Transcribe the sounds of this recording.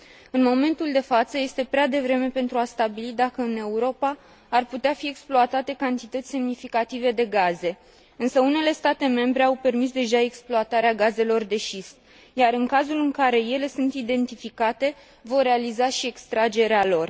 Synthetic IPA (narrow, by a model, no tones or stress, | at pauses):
ɨnmo̞me̞nt̪uld̪e̞fat̪səje̞st̪e̞pɾead̪e̞vɾe̞me̞pe̞nt̪ɾuast̪abilid̪akəɨne̞uɾo̞paː | rput̪eafieksploat̪at̪e̞kant̪it̪ət̪sʲse̞mnifikat̪ive̞d̪e̞ɡaze̞ | ɨnsəune̞le̞st̪at̪e̞me̞mbɾe̞awpe̞rmis̬d̪e̞ʒae̞ksploat̪aɾeaɡaze̞lo̞rd̪e̞ʃist̪ | jaɾɨŋkazulɨŋkaɾe̞je̞le̞sunt̪id̪e̞nt̪ifikat̪e̞ | vo̞rre̞alizaʃie̞kst̪ɾad͡ʒe̞ɾealo̞r